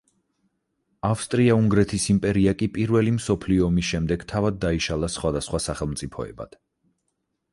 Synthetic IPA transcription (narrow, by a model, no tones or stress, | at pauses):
afst̪ʼɾiauŋɡɾɛt̪ʰisimpʼɛɾiakʼipʼiɾvɛlimsɔpʰliɔːmisʃɛmd̪ɛɡ̥t̪ʰavad̪̚ːaiʃalˠasχwad̪asχwasaχɛlˠmt̪sʼipʰɔɛ̰ba̰d̪̥